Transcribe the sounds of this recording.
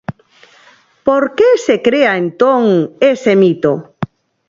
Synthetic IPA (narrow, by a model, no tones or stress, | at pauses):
poɾkesekɾeaent̪oŋesemit̪o